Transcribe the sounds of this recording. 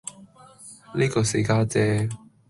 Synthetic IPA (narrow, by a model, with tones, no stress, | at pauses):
liː˥kɔː˧se˧kaː˥t͡sɛː˥